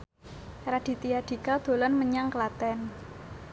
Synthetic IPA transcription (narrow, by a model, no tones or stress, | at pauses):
rad̪̥i̤t̪ijaɖ̪̥i̤kad̪̥o̤lɔnməɲaŋkəlat̪ɛn